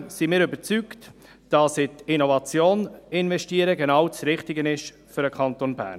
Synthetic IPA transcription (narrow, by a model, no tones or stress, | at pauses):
simɪːɾʏbəɾt͡sykt | d̥ɑsɪtɪnovɑt͡sjoːnɪnvɛʃtiəɾəɡenɑwt͡sɾɪχtɪɡənɪʃ | fʏɾəkʰɑntonbæ̰ːn